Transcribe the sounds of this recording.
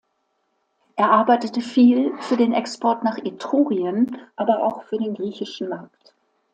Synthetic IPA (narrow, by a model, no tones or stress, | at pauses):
ʔeːɐʔaɐbaɪtətəfiːlfyːɐdeːnʔɛkspʰɔɐtnaːχʔetʁ̥oːʁiənʔaːbɐʔa̰ʊxfyːɐdeːnɡʁiːçɪʃn̩maɐkt